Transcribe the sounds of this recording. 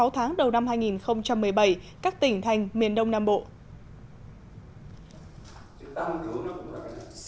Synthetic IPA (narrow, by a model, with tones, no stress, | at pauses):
a˨˦wt̪ʰaː˨˦ŋɗə˨˩wna˧mhaː˧jŋi˨˩nxə˧wŋ͡mt͡ɕa˧mːɨ˨˩əjɓa˧˩jkaː˦˥k̚t̪ï˧˩ŋ̟t̪ʰa˨˩jŋ̟mi˨˩ənɗə˧wŋ͡mnaː˧mɓo̰˧˨ | t͡ɕɨ˧˦t̪aː˧t͡ɕu˧˩nɔ˨˦kʊ̰˧˨a˨˩˨